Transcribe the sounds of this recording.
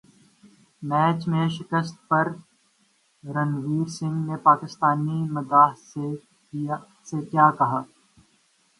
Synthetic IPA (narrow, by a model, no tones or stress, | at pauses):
mɛːt͡ʃmẽʃɪkəst̪̚pɐɾ | ɾɐnʋiːɾsɪ̃ŋɡnepaːkɪst̪aːnimɐd̪aːɦse | sekjaːkɐɦaː